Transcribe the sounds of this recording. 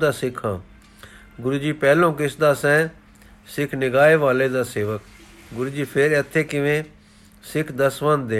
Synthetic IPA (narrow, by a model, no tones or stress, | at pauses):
d̪aːsɪkʰːã̰ː | ɡʊɾuːd͡ʒiːpɛːlõːkɪsd̪aːsɛ̃ː | sɪkʰnɪɡaːeːʋaːleːd̪aːseːʋək | ɡʊɾuːd͡ʒiːpʰɪɾət̪ʰːeːkɪʋẽː | sɪkʰd̪əsʋə̃nd̪eː